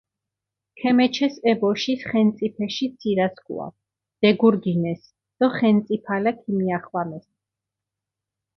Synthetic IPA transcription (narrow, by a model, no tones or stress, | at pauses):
kʰɛmɛt͡ʃʰɛsɛbɔʃisχɛnt̪sʼipʰɛʃit̪sʰiɾaskʰṵa̰ | d̪̥ɛɡuɾɡinɛs | d̪̥ɔχɛnt̪sʼipʰalakʰimiaχwamɛs